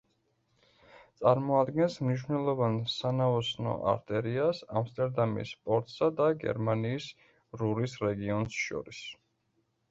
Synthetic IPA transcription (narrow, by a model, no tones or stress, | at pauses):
t̪sʼaɾmɔad̪ɡɛnsmniʃvnɛlˠɔvansanaɔsnɔ̰ʔa̰ɾt̪ʼɛɾiasamst̪ʼɛɾd̪amḭspʼɔɾt̪ʼsad̪aɡɛ̰ɾmaniːs | ɾuɾisɾɛɡiɔnsʃɔ̰ɾis